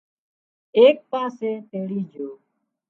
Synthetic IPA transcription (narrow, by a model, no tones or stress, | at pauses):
eːk̚paːseːt̪eːliːd͡ʒoː